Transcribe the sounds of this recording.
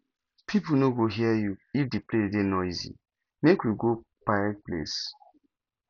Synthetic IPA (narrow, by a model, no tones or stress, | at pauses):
pʰipunoɡoɦiajuifdiplededenɔizḭ | mekwiɡopaɛt̚plḛs